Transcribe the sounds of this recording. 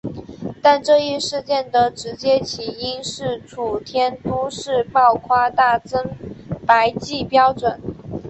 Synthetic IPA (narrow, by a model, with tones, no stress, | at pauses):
t̪a˥˧nʈ͡ʂɤ˥˧i˥˧ʂɻ̩˥˧t͡ɕjɛ˥˩nd̪ə˩ʈ͡ʂɻ̩˧˥t͡ɕjɛ˥t͡ɕʰi˨˩i˥nʂɻ̩˥˩ʈ͡ʂʰu˨˩t̪ʰjɛ˥nt̪u˥ʂɻ̩˥˧pɑ˥˩ʊkʰwa˥t̪a˥˩t͡sə˥ŋpa˧˥ɪt͡ɕi˥˩pjɑ˥ʊʈ͡ʂwə˨˩˦n